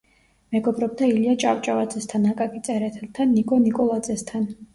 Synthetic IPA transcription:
mɛɡɔbɾɔb̚d̪ailiat͡ʃʼawt͡ʃʼavad̪zʼɛst̪ʰanakʼakʰʼit̪sʼɛɾɛt̪ʰɛlt̪ʰanːikʼɔnikʼɔlˠad̪zɛst̪ʰan

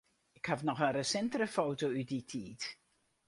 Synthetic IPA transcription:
ɪkhafnɔχənrəsɛntərəfowtowyditʰiːt

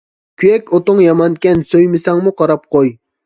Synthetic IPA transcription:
kʲʰyjɛkʲot̪ʊŋjɑmɑnkʲɛnsøjmɪsɑŋmuqʰɑɾɑp̚qoj

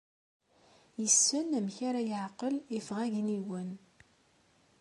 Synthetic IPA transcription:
jəsːənæmçaɾajəʕqəlifʁæʝniwən

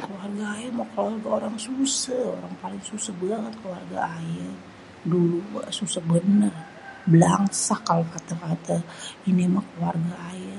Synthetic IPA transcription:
kəluarɡaːjamakluarɡaoɾaŋsusəoɾaŋpalɪŋsusahbəlakankəluarɡa̰ːja | dulususahbənər | bəlaŋsahkalakat̪akat̪ainimakəluarɡaːja

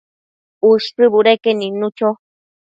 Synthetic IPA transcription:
uʂtɨβuɾekenĩnũt͡ʃo

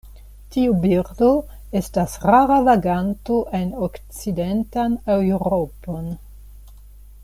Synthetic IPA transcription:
tiubiɾdo̞ | e̞stasɾaɾavaɡanto̞ʔe̞nokt͡side̞ntanewɾo̞po̞n

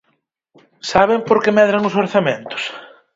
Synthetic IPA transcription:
saβ̞empoɾkemɛðɾaŋʊs̬oɾθamẽnt̪ʊ̥s

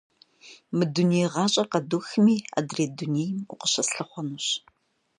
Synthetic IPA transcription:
mɨduneːjʁɑːɕʼɐqɐduxɨmiːa̰ːdreːduneːjɪmʊqəɕɐsɬɐχʷɔnuːɕ

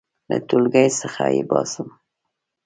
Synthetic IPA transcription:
lət̪ulɡajsəxajebɑsəm

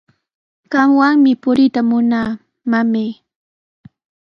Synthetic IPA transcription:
ɢ̥ɑmwaŋmɪpʊɾɪt̪amʊnaː | mamej

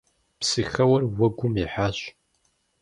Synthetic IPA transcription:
psɨxɐwɐrwɐɡʷʊmiħaːɕ

